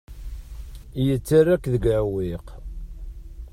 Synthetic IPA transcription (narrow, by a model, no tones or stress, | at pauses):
jət͡sːarːækːðəɡʕwiq